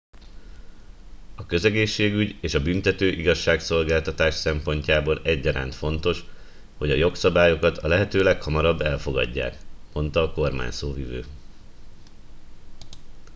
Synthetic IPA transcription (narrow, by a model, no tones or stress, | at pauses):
ɒkø̞zɛɡeːʃːeːɡyɟeːʃɒbynt̪ɛt̪øːʔiɡɒʃːaːkso̞lɡaːlt̪ɒt̪aːʃsɛmpo̞ɲcaːboːlɛɟːɒɾa̰ːnt̪fo̞nt̪o̞ʃ | ho̞ɟɒjo̞ksɒbaːjo̞kɒt̪ɒlɛɦɛt̪øːlɛkhɒmɒɾɒbːɛlfo̞ɡɒ̰ɟːa̰ːkmo̞nt̪ɒːko̞rma̰ːɲsoːvivø̰ː